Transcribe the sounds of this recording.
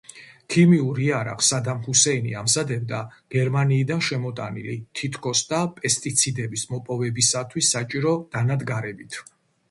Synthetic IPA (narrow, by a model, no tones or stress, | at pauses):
kʰimiuɾiaɾa̰qʼsad̪amhusɛinḭamzad̪ɛb̚d̪aɡ̥ɛɾmaniːd̪anʃɛmɔt̪ʼanḭlit̪ʰit̪ʰkʰʼɔsd̪apʼɛst̪ʼit̪sʰid̪ɛbismɔpʼɔvɛbisat̪ʰwisːat͡ʃʼiɾɔd̪̥anad̪ɡaɾɛbit̪ʰ